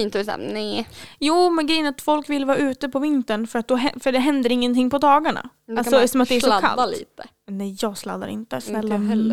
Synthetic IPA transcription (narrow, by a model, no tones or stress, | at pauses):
iːnt̪sa̰nɛjuːmɛnɡɾɛjənat̪fɔlkvɪlːvɑːɾʉ̟ːt̪əpʰɔvɪnt̪əɳfœɾat̪̚d̪ɔɦɛfœɖɛɦɛnd̪əɾɪŋːənt̪ʰɪŋːpʰɔd̪ɑːɡaɳa̰ | d̪alsɔsɔmat̪d̪ɛæʂɔa̰lalḭːt̪ə | nɛjjɑːɡsla̰d̪ːa̰ɾɪ̰nt̪əsnɛlːɛlː